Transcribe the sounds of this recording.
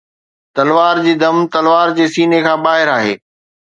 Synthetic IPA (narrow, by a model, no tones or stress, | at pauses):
t̪ɐlʋaːɾd͡ʑiːd̪ɐmt̪ɐlʋaːɾd͡ʑeːsiːnekʰãːbaːɦɪɾaːɦḛː